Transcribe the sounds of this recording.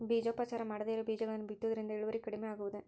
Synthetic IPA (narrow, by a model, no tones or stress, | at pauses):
biːd͡ʒoːpːat͡ʃːaːɾɐmɐɽɐðɐjɐɾɯbiːd͡ʒɐɣɐɭɐnbɪt̪ːɐðɪɾɯnd̪ɐɛɻɯʋɐɾɪkːɐɽɪmɐjaːɣɯʋɐðɯ